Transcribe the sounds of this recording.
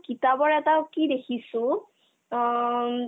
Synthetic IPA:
kitabɔɹɛtakidekʰisʊ̃

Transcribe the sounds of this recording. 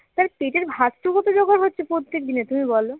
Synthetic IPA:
t̪aɾkeʈeɾbʱasʈukɔt̪od͡ʑoɡaɾɦotːɕʰepɾot̪ːek̚d̪inet̪umibɔlo

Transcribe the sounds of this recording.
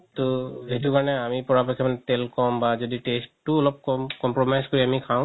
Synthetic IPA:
t̪oejtukaɹɔnɛamipɔɹapɔkʰːɛmanɛtelkɔmbazoditestːuɔlɔp̚kɔkɔmpɹomajzkoɹiamikʰãʊ̃

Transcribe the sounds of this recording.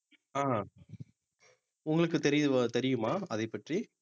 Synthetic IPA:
aː | ʊŋɡɐɭɯkːɯt̪ɛɾɪjɯɐt̪ɛɾɪjɯmaːɐðɐɪpːɐʈri

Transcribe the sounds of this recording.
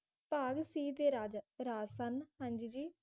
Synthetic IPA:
paːɡsiːt̪eːɾaːd͡ʒɾaːsənɦənd͡ʒid͡ʒiː

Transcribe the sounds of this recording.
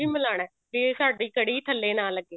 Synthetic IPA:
iːmɪlaːɽ̃ɛːd͡ʒeːsaːɖiːkəɽiːt̪ʰəlːeːnaːlːəɡːeː

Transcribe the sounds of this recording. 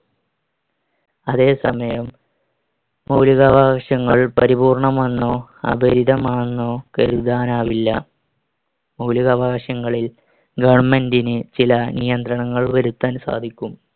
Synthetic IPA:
ɐðe̞ːsɐmɐjɐm | ɐwliɣɐbʱaːʂɐŋːɐɭpɐɾibuːrɳɐmɐnːoːɐ̰bʱɐɾiðɐmaːnːoːkɐɾud̪aːnaːʋilːɐ̰ | mɐwliɣɐbʱaːʂɐŋːɐɭil | ɡɐʋɳmendinɨt͡ɕilɐnijɐnd̪ɾɐɳɐŋːɐɭʋɐɾut̪ːɐnsa̰ːd̪ʱikʲːum

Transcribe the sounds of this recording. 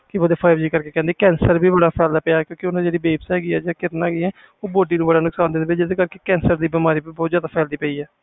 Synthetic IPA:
kɪod̪eːpʰaːɪbd͡ʒiːkəɾkeːkɛ̃ːnd̪eːkɛ̃ːnsəɾbʱiːbəɽaːpʰɛːld̪aːpəjaːɛkjõːkɪʊnãːd͡ʒeːɽiːbeːbsɦɛːɡiːɛːd͡ʒaːkɪɾnaːɡiːɛː | oːboːɖiːnũːbəɽaːnʊksaːnd̪ẽːnd̪eːɪt͡ʃɪseːkəɾkeːkɛ̃ːnsəɾd̪iːbɪmaːɾiːbiːbɔːt̪zjaːd̪aːpʰɛːld̪iːpəiːɛː

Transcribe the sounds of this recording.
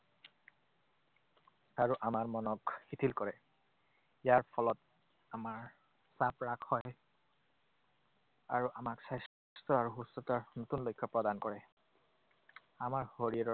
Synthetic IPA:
aɹuʔamaɹmɔnɔkxit̪ʰilkɔɹɛ | ijaɹpʰɔlɔt | amaɹ | sapɹakhɔj | aɹuʔamaksajs | stɔaɹuɦustɔtaɹnot̪unlojkʰːɔpɹɔdankɔɹɛ | amaɹhoɹiaɹɔ

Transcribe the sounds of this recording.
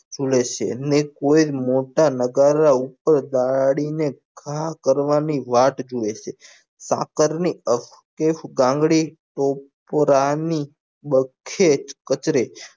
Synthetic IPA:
d͡ʒoɭet͡ʃʰḛənekoid͡ʒmoʈanəɡaɾaupəɾd̪aɽineɡʱakəɾʋaniʋaʈd͡ʒoeʃʰe | sa̰kəɾniəf | kefɡãŋɡɽiʈopppɾani | bəkʰet͡ʃkət͡ʃɾe

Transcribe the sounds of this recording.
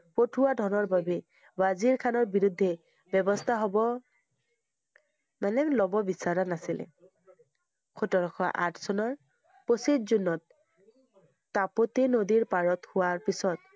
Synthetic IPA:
potʰuwadʱɔnɔɹbabɛ | baziɹkʰanɔɹbiɹud̪ʱːɛ | bɔbɔstʰaɦɔbɔ | manɛlɔbɔbisaɹanasilɛ̰ | kʰutɔɹɔkʰɔʔa̰tʰsɔnɔɹ | posidzunːɔt̚ | apotenodiɹpaɹɔthʊwaɹpisɔt̚

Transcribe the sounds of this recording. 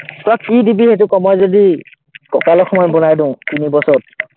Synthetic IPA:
tɔakkidibihet̬ukɔmɔjzodi | kɔkalɔxɔmɔjbɔnajdʊ̃ʊ̃tinibɔsɔt̚

